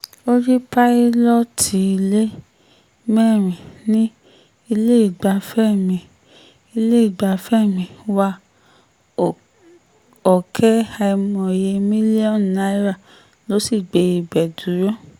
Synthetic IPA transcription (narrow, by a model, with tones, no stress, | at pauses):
o˦ɾi˦pa˦i˦lɔ˦tʰi˨˦i˧le˦ | mɛ˦˨ɾ̃ĩ˨nĩ˦ | i˧le˦i˦˨ɡ͡ba˨˧fɛ˦˨mĩ˧˨ | i˧le˦i˦˨ɡ͡ba˧fɛ˦mĩ˧wa˧˨ | ɔ˨kʰɛ˦ha˧i˧mɔ̃˨je˧mĩ˦li˦ɔ̃˦˨nna˨˦i˦ɾa˦˨ | lo˨˦si˦˨ɡ͡be˨i˧bɛ˨du˨˦ɾɔ̃˦˨